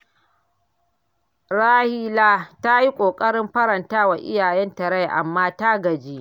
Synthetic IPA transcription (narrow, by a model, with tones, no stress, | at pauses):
ɾaː˦hiː˦laː˦ta˦ji˦kʷʼoː˨kʼɐ˦ɽɪ˦mɸɐ˦ɾɐ˨ntaː˦wa˨ʔɪ̰˦jaː˨jɛ˦ntɐ˨ɽa˦jʔa̰˨mːaː˦ta˦ɡɐ˨d͡ʒiː˦ʔ